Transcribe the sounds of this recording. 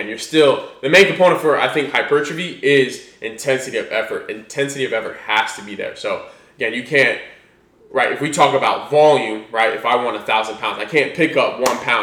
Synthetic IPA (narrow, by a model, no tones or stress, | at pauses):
njə˞stɪlˠðɨmẽɪ̃nkɨ̃pʰɔ̃ɪ̃nfə˞ʔa̰ɪθɪ̃ŋkhaɪpʰɜ˞t͡ʃɹ̥ɨbiɪzʔɨ̃ntʰɛ̃nsɨɾiʌvɛfə˞ɾɨ̃ntʰɛ̃nsɨɾiʌvɛfə̰˞ʔ̚hæstʰɨbiðə̰˞soʊ | əɡɛ̃njɨkʰæ̃nt̚ | ɹaɪɾɨfwitʰɔkəbaʊtvɑlˠjʉ̃mɹaɪɾɨ̰faɪwɑ̃ntəθaʊzn̩pʰãʊ̃nzaɪkʰæ̃npʰɪkʌp̚wʌ̃npʰãʊ̃